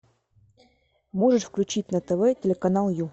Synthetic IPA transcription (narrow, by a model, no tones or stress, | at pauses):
moʐɨʂfklʲʉt͡ɕit̚ʲnət̪ɛvɛtʲɪlʲɪkɐnalˠju